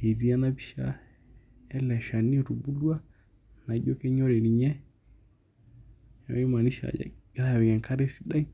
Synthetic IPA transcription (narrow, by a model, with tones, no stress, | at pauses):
i˨ɾi˦a˦na˦bi˦ʃa̰˦ | ɛ˦lɛ˨ʃa˨ni˦˨ɾu˨bu˦lwa˦ | na˨˦ʄɔ˦kɛ˦ɲɔ˦ɾɛ˨ni˨ɲɛ˦˨˦ | i˦ma˨ni˦ʃa̰˨a̰˨˦ɾa˦˨wɛ˨ɡɛ˨ŋka˦ɾɛ˦si˨ɗa˦i˦